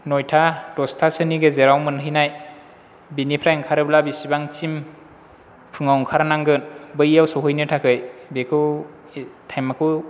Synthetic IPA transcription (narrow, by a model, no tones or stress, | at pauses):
nɔjtʰad̥ɔstʰasɯniɡezeɾawmɯnɦɯjnaj | binipʰɾajŋkʰaɾɯblabisibaŋt͡ʃim | pʰɯŋawŋkʰaɾanaŋɡɯnbɯjawsɔɦɯjnɯtʰakʰɯjbekʰɯw | tʰajmakʰɯ